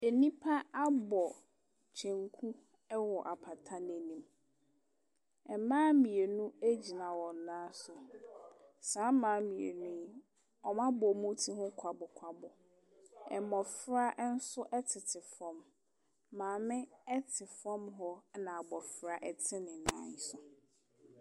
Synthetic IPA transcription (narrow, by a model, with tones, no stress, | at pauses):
e˨nĩ˦pʰa˦a˦bɔ˨ | t͡ɕʰɛ̃˨ŋkʰu˦ | ɛ˦wɔ˨ʔa˨pʰa˨tʰa˦n˦e˨nĩ˨m | ɛ˨mãː˦mĩ˨e˨nũ˦æ˦d͡ʑi˨nã˨wɔ̃˨n˨nãː˦sʊ˨ | sãː˨˦mãː˨˦mĩ˨ḛ˨nũ˦ | ɔ˨mã˦bɔ˨mũ˦tʰi˦ɦʊ̃˦kʷʰa˨bɔ˨kʷʰa˦bɔ˨ | ɛ̰˨mɔ˨fɾa˦ʔn̩˦sʊ˦ʔɛ˦tʰɪ˨tʰɪ˨fɾɔ̃˦mː | ãː˨mɪ̃˦ɛ˦tʰɪ˨fɾɔ̃˦mɦɔ˦nã˨a˨bɔ˨fɾa˨ʔɛ˨tʰɪ˦nɪ̃˨nã̰ː˦ɲ˦sʊ˨